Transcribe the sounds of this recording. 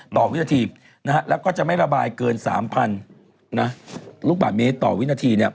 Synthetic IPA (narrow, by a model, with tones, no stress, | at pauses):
t̪ɔː˨˩wi˦˥naː˧t̪ʰiː˧ | na˦˥kʰa˦˥lɛː˦˥wkɔː˥˩t͡ɕa˨˩ʔma˥˩jɾa˧baː˧jkɤː˧nsa̰ː˩˦mpʰa˧n | na˦˥luː˥˩k̚baː˨˩t̪̚meː˦˥t̪ɔ̰ː˨˩wi˦˥naː˧t̪ʰiː˧ni˥˩ɐ